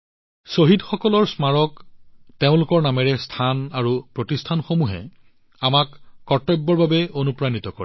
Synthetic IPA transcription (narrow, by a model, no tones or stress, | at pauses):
soɦidxɔkɔlɔɹsmaɹɔkteʊ̃lʊkɔɹnamɛɹɛstʰanaɹupɹotistʰanxomuɦɛ̰ | amakːɔtɔjbːɔɹbabɛonupɹanit̪ɔkoɹɛ